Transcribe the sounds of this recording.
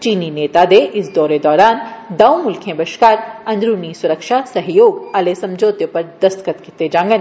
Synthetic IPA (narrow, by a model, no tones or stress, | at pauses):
t͡ʃiːnineːt̪ad̪eʔɪsd̪ɔːɾed̪ɔːɾaːnd̪ɐwmʊlkʰẽbɐʃkaːɾɐ̃nd̪ɾuːnisʊɾəkʃasɐɦjoːɡɐlesɐ̃md͡ʒoːt̪jopɐɾd̪ɐst̪kət̪kɪt̪ed͡ʒãːŋɡən